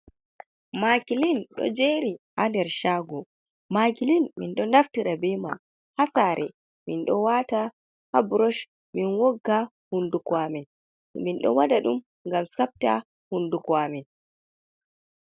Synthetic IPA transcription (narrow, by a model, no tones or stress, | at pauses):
makilinɗɔ̰d͡ʒeɾihandɛɾʃaːɡɔ | makilinmḭnɗɔnaftiɾabɛjman | hasaɾʔɛ | minɗɔwata | habɾɔʃ | minwɔɡːa | hundukwamɛn̰ | minɗɔ̰wadaɗum | ŋɡamsap̚ta | hundukwamɛn